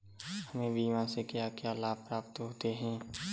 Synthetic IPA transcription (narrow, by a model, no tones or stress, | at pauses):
həmẽbʱiʋãsekɪjakjaːlaːpɾaːpt̪ɦoːt̪eɦɛ̃ː